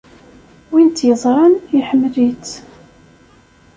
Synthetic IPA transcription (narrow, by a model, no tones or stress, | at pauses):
wint̪jəzˤɾˤɑniħəmːlit͡s